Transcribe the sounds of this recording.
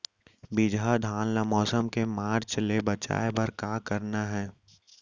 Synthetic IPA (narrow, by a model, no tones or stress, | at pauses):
bid͡ʒʱad̪ʱaːnlamɔːsəmkemaːɾt͡ʃlebɐt͡ʃa̰ːebɐɾkaːkəɾnaɦɛː